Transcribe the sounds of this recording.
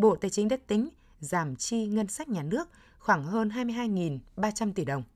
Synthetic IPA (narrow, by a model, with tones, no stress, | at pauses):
ɓo̰˧˨t̪aː˨˩jt͡ɕï˨˦ŋ̟ɗə˦˥t̪ï˨˦ŋ̟ | zaː˧˩mt͡ɕi˧ŋə˧nsa˦˥jk̟̚ɲaː˨˩nɨ˦˥ək̚ | xwaː˧˩ŋɦəː˧nɦaː˧jmɨ˧ɦaː˧jŋi˨˩nɓaː˧t͡ɕa˧mt̪i˧˩ɗə˨˩wŋ͡m